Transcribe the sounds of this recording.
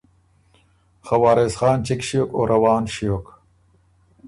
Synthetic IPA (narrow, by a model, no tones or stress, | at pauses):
xɐwaːɾesxɑːnt͡ɕikɕijokoːɾɐwaːnɕijoːk